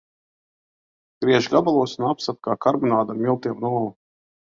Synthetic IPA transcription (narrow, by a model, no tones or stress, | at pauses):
ɡ̥ɾiɛʒɡabalˠuɔsunapsat̪̚kaːkaɾbunaːd̪amʲilˠt̪iɛmnuɔlˠa